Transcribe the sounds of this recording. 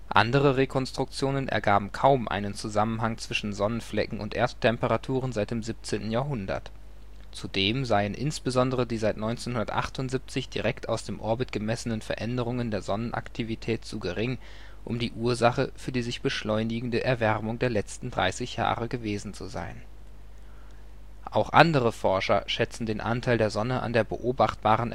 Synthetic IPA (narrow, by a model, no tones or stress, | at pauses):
ʔa̰ndəʁəʁekʰɔnstʁ̥ʊk̚t͡sjoːnənʔɛ̰ɐɡaːbm̩kʰaʊmʔa̰ɪnənt͡suzamənɦaŋt͡sv̥ɪʃn̩zɔnənflɛ̰kŋ̩ʔʊ̰ntʔḛːɐttʰːɛmpəʁatʰuːʁənzaɪtd̥eːmzip̚t͡seːntn̩jaːɐɦʊndɐ̰t | t͡sudeːmzaɪənʔɪnsb̥əzɔndəʁədiːzaɪtnɔʏnt͡seːnhʊndɐtʔa̰χtʊntz̥ip̚t͡sɪçd̥iʁɛktʰaʊsd̥eːmʔɔɐbɪtɡ̥əmɛsənənfɛɐʔɛndəʁʊŋəndeːɐzɔnənʔa̰ktʰivitʰɛːtt͡suːɡəʁɪŋ | ʔʊ̰mdiːʔuːɐzaχəfyːɐdiːzɪçb̥əʃlɔʏnɪɡŋ̩dəʔɛɐvɛʁmʊŋdeːɐlɛt͡stn̩dʁa̰ɪsɪçja̰ːʁəɡəveːzn̩t͡suza̰ɪn | ʔaʊxʔa̰ndəʁəfɔɐʃɐʃɛt͡sn̩deːnʔa̰ntʰaɪldeːɐzɔnəʔa̰ndeːɐbə̰ʔoːbaχt̚b̥aːʁənʔ